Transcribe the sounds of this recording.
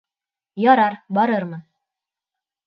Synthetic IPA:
jɒɾɑɾbɒɾɤɾmɤn

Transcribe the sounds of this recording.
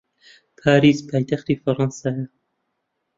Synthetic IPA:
pʰaːɾiːspʰaːjt̪ʰaxt̪iːfɐɾɑnsaːja

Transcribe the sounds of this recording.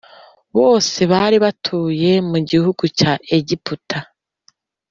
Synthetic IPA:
βo̞ːse̞βaɾiβatʰuːje̞muɟihuɡ̥ucaʔeɟiputʰa

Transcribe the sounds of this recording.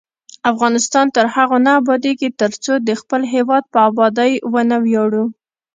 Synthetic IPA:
afɣɑnɪst̪ɑnt̪əɾhaɣonabɑd̪eket̪əɾt͡sod̪əxpəlɦewɑd̪̚pəabɑd̪ajwənawjɑɽu

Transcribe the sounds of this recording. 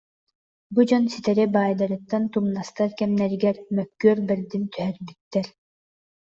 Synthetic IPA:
bud͡ʑɔnsit̪ɛɾɛbaːjd̪aɾɯt̪ːant̪umnast̪aɾkɛmnɛɾiɡɛɾmœkːyːɾbɛɾd̪int̪yɦœɾbyt̪ːɛɾ

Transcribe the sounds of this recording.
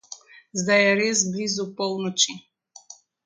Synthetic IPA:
zd̪ajɛɾezblizupɔwnɔt͡ʃi

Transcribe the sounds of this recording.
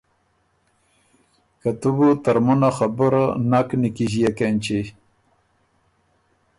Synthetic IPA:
kat̪ubut̪aɾmunaxabuɾnaknikiʑijakent͡ɕe

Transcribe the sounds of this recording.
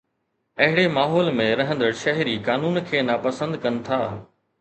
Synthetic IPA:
ɐɦɪɽemaːɦɔːlmẽɾɐɦə̃nd̪əɾʃɐɦɪɾikaːnuːnkʰeːnapɐsə̃nd̪kɐnɪ̆t̪ʰaː

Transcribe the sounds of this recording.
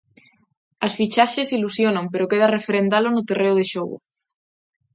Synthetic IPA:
asfit͡ʃaʃesilusjonampeɾokeðarefeɾend̪alonot̪ereoð̞eʃoɣṵ

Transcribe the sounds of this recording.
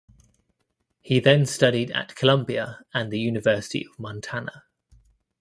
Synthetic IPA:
hiðə̃nstʌɾidə̰ʔkʰəlʌ̃mbiəə̃nðəjʉːnɪvɜˑsɪ̥tʰḭəvmɒ̃ntʰanə̰

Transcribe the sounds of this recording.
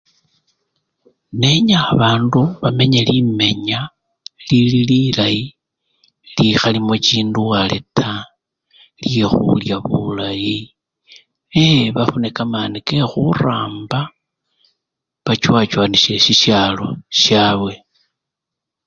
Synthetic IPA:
ne̞ɲaaβaːnduβame̞ɲelime̞ɲa | lilililaji | lixalimot͡ʃiːnduwale̞̰tʰa | ljexṵljaβṵlaji | eβafunekamaːnike̞xuraːmba | βat͡ʃwat͡ʃwaːniʃe̞ʃiʃjalo̞ʃjaːβwe̞

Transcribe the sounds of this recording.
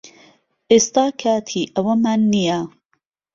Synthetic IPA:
ʔeːst̪aːkʰaːt̪ʰiːʔɐwɐmaːnːija

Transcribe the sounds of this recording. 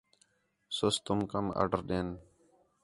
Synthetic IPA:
sʊst̪ʊmkəma̰ːɖəɾɗeːn

